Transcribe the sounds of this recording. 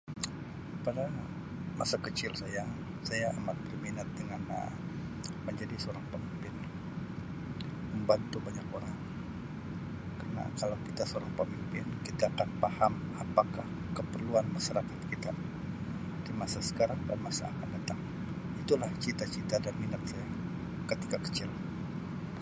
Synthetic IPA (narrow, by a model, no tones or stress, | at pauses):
pada | masakət͡ʃɪlsaja | sajaːmat̪̚bərminat̪̚dəŋanə̰ | məɲd͡ʒadisoɾaŋpəmimpɪn | məmbant̪ubaɲakoɾaŋ | karna̰kalawkit̪asoɾaŋpəmimpɪnkit̪aːkanpahamapakah | kəpərluanmaʃaɾakat̪̚kit̪a | d̥imasasə̥kaɾaŋda̰nmasa̰ːkandat̪aŋ | it̪ulaht͡ʃit̪at͡ʃit̪adanminat̪̚saja | kət̪i̥kakə̥t͡ʃɪl